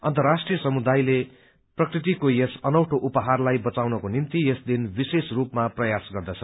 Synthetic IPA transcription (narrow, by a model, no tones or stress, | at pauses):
ʌ̰nt̪ʌrasʈrijʌsʌmud̪ajle | prʌkrit̪ikojesʌnʌwʈʰoʔupʌɦarlajbʌt͡sawnʌkonint̪ijesd̪inbisesrupmaprʌjasɡʌrd̪ʌt͡sʰʌ